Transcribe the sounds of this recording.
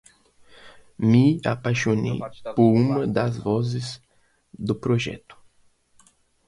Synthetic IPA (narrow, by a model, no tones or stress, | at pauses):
mia̰pajʃonḛjpʊɾũmɐd̪ɐzvɔzɪz | d̪ʊpɾoʒɛ̰t̪ʊ̥